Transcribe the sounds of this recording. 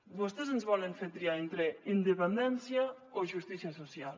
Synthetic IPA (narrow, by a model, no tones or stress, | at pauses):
bust̪ezenzβɔleɱfeɾt̪ɾiaent̪ɾeind̪epend̪ɛnsja | oʒust̪isjasosjal